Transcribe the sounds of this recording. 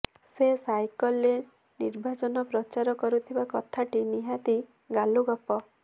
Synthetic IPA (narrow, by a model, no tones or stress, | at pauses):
sesajkɔlːe | niɾbʱat͡ʃɔnɔpɾɔt͡ʃaɾɔkɔɾut̪ʰibakɔt̪ʰaʈiniɦat̪i | ɡaluɡɔpɔ